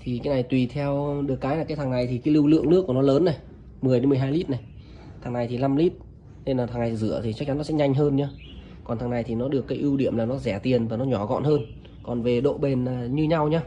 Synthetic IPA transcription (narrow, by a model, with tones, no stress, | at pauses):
t̪ʰi˨˩kaː˨˦jna˨˩jt̪wi˨˩t̪ʰɛ˧wɗɨ˨˩ək̚ːaː˨˦jna˨˩kaː˨˦t̪ʰaː˨˩ŋna˨˩jt̪ʰi˨˩kaː˨˦jlɨ˧wlɨ̰˧˨əŋnɨ˦˥ku˧˩nɔ˨˦ləː˨˦nːa˨˩j | mɨ˨˩əjɗe˨˦mɨ˨˩əjɦaː˧jli˦˥t̚na˨˩j | t̪ʰaː˨˩ŋna˨˩jt̪ʰi˨˩la˧mli˦˥t̚ | ne˧nlaː˨˩t̪ʰaː˨˩na˨˩jt̪i˨zɨ̰˧˩ət̪ʰi˨t͡ɕa˦˥k̚t͡ɕa˨˦nːɔ˨˦sɛ̰˧˥ɲa˧jŋ̟ɦəː˧nɲaː˧ | kɔ˨˩nt̪a˨˩ŋna˨˩jt̪ʰi˨˩nɔ˨˦ɗɨ˨˩əkːaː˨˦jʔi˧wɗi˧˩əmlaː˨˩nɔ˨˦zɛ˧˩t̪i˨˩ənvaː˨˩nɔ˨˦ɲɔ˧˩ɣɔ̰˧˨nhəː˧n | kɔ˨˩nve˨˩ɗo̰˧˨ɓe˨˩nlaː˨˩ɲɨ˧ɲa˧wɲaː˧